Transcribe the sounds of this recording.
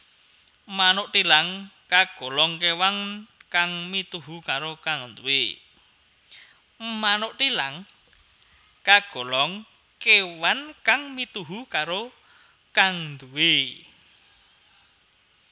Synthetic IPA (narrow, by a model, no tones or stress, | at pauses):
manoʔt̪ilaŋkaɡ̥o̤lɔŋkewaŋkaŋmit̪uɦukaɾokaŋnd̪ue | manoʔt̪ilaŋ | kaɡ̥o̤lɔŋ | kewankaŋmit̪uɦukaɾo | kaŋnd̪uwe